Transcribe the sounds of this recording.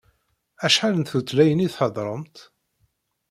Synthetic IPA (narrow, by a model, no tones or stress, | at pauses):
æʃħalənt̪θut̪læjəniθħəðˤɾˤəmt̪